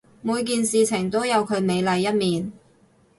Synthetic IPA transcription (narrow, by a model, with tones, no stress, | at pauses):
muː˨˧jk̬iː˨˧nsiː˨t͡sʰɪ˨˩ŋt̪o˥wjɐ˨˧wkʰɵ˨˧ɥme˨˧jlɐ˨˧jːɐ˥t̚miː˨n